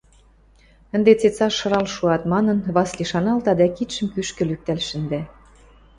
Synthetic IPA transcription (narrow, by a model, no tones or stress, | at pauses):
ə̆nd̪et͡set͡sɑʃːɤ̆ɾɑlʃuɑt̪mɑnə̆nβɑsliʃɑnɑlt̪ɑd̪ækit̪ʃə̆mkyʃkə̆lyk̚t̪ælʃə̆nd̪æ